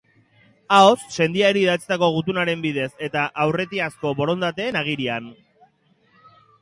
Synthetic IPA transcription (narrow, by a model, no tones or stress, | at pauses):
aosːe̞nd̪iaeɾiːðat͡si̥t̪ako̞ɣ̞ut̪unaɾe̞mbiðe̞se̞t̪aʔawre̞t̪iasko̞βo̞ɾo̞nd̪at̪e̞ːnaɣ̞iɾian